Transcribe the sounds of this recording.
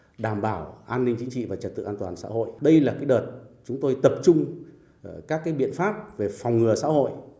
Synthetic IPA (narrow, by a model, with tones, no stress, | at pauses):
ɗaː˨˩mɓaː˧˩wʔaː˧nːï˧ŋt͡ɕï˨˦ŋt͡ɕḭ˧˨vaː˨˩t͡ɕə˨˩t̪ɨ̰˧˨ʔaː˧nt̪waː˨˩nsa̰ː˧˥ho̰˧˨jɗə˧jlaː˨˩kaː˨˦jɗəː˨˩t̚t͡ɕʊ˨˦ŋ͡mt̪o˧jt̪ə˨˩p̚t͡ɕʊ˧ŋ͡m | kaː˦˥kːaː˨˦jɓḭ˧˨ənfaː˦˥p̚ve˨˩fɔ˨˩wŋ͡mŋɨ˨˩əsa̰˧˥ho̰˧˨j